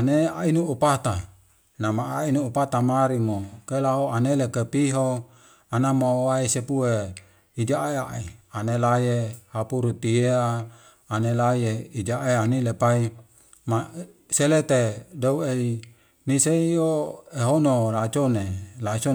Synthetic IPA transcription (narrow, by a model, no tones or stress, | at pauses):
aneainuːpat̪a | namaːinuːpat̪amaɾimokelaoanelekepiɦo | anamawaisepue | id͡ʒaeaʔianelajehapuɾut̪ieaː | nelajeid͡ʒaʔeanilepai | ma | selet̪edouei | niseioeɦonolat͡ʃonelat͡ʃo